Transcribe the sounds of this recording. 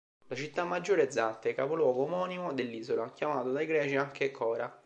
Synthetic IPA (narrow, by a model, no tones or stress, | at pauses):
lat͡ʃit̪ːamːad͡ʒːoːɾeːd̪zːat̪ːekːapolwɔːɡoːmɔːnimod̪elːiːzolakjamaːt̪od̪aiɡɾɛːt͡ʃiaŋkekʰɔːɾa